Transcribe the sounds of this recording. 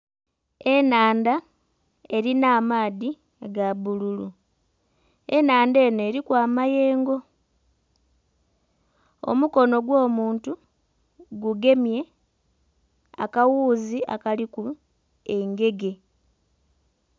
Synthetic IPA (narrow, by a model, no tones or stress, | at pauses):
e̞naːnda | e̞ɾinaːmaːði | ɡaβululu | e̞naːnde̞ːne̞ːɾikwaːmaje̞ːŋɡo̞ | o̞̰muko̞no̞ɡwo̞ːmuːntu | ɡuɡe̞mje̞ | a̰kawuːzia̰kaliku | e̞ŋɡe̞ɡe̞